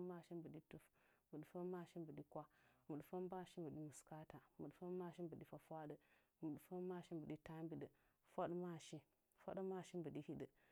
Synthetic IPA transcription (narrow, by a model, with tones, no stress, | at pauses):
ma˦˨ʃi˦mbə˨ɗi˦tu˦f | mu˨ɗfə˦ma˦˨ʃi˦mbə˨ɗi˦kʷa˦mu˨ɗfə˦m˦ba˦˨ʃi˦mbə˨ɗi˦mu˨ska˦ta˨mu˨ɗfə˦ma˦˨ʃi˦mbə˨ɗi˦fa˨fʷa˦ɗə˨ | mu˨ɗfə˦ma˦˨ʃi˦mbə˨ɗi˦ta˦mbi˨ɗə˨ | fʷa˦ɗma˦ʃi˦ | fa̰˦ɗma˦˨ʃi˦mbə˨ɗi˦hi˦ɗə˨